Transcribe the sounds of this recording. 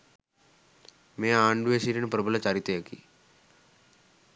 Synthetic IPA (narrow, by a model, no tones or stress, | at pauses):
meːaːɳɖuʋesiːɾinupɾɐbulɐt͡ʃaːɾit̪ejɐkḭ